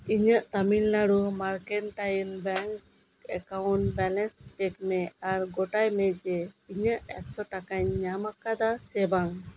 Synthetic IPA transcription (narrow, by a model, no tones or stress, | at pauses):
iɲəʔt̪amilːaɽumaɾkɛnʈajəlbɛŋk | ɛkawɳʈbɛlɛnsʈɛkmɛaɾɡɔʈajmɛd͡ʒɛiɲəʔɛksɔʈakaɲːamakad̪asɛbaŋ